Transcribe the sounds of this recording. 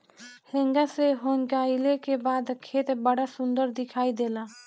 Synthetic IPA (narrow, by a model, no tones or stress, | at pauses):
hẽːŋɡaseɦoːŋɡaːɪlekebaːd̪kʰeːt̪bəɽasʊ̃nd̪əɾd̪ɪkʰaːid̪eːlaː